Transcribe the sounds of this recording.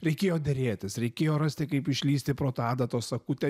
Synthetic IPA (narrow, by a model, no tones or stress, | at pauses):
ɾʲɛɪkʲeːjoːd̪ʲeɾʲeːt̪ʲɪsɾʲɛɪkʲeːjoːɾɑsʲt̪ʲɪkɐɪpɪʃʲlʲiːst̪ʲɪpɾoːt̪ɑːd̪ɐt̪oːsɐkuːt̪ʲɛ